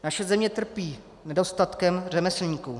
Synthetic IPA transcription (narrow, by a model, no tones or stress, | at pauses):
naʃɛzɛmɲɛt̪r̩piː | nɛdo̞st̪at̪kɛmr̝ɛmɛslɲiːku